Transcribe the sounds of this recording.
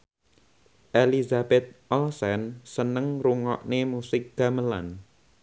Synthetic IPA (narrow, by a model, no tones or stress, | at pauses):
ʔelizabɛt̪̚ʔɔlsɛnsənəŋruŋɔ̰ʔnemusɪk̚ɡ̥ä̤məla̰n